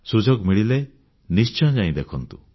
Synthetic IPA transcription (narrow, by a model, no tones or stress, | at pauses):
sud͡ʒɔɡmiɭile | nist͡ʃɔd͡ʒaj̃d̪ekʰɔnt̪u